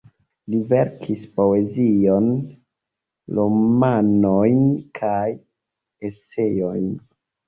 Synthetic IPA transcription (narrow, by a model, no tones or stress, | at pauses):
live̞ɾkʰispo̞e̞zijo̞n | lomanojnkʰaj | ese̞jojn